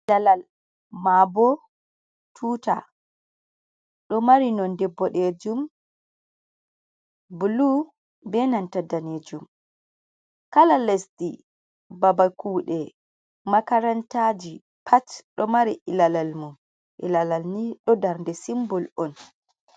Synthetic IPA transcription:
dalal | mabɔ | tʰuːta̰ | ɗɔmaɾinɔndɛbːɔɗed͡ʒum | bulu | bɛnantadaned͡ʒum | kalalesti | babakʰuːɗɛ | makaɾantad͡ʒi | pʰatɗɔmaɾiʔilalalmum | ʔḭlalalniɗɔdaɾndɛsimbɔlɔn

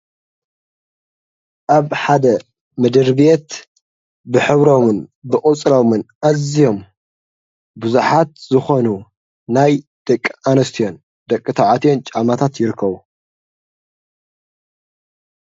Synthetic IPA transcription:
ʔaβħad̪ɐ | mɨd̪ɨɾbjet̪ | bɨħɨβɾomɨnbɨkʼut͡sʼɾomɨnʔazijo̞m | buzuħat̪zɨxo̞nu | naj | d̪̥ɐkʼːianɐst̪ʰijo̞n | d̪ɐkʼːɨt̪ʰaʕat̪ʰijo̞nt͡ʃʼamat̪ʰat̪jɪɾɨkʰːɐβu

